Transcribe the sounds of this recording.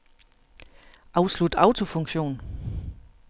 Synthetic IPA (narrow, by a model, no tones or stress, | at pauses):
ʔɑ̈ʊslud̥ɑ̈ʊt͡sʰo̝fɔ̽ŋɕo̝̰ːn